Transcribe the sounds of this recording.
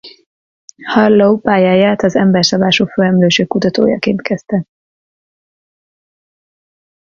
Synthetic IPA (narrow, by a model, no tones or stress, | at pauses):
hɒrlowpaːjaːjaːt̪ɒzɛmbɛrsɒbaːʃufølɛmløːʃøːkut̪ɒt̪o̰ːjɒ̰keːnt̪kɛst̪ɛ